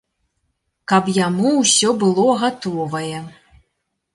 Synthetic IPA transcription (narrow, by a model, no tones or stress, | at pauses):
kɐpjamuwsʲɔbɨlˠɔɣat̪ɔvɐjɛ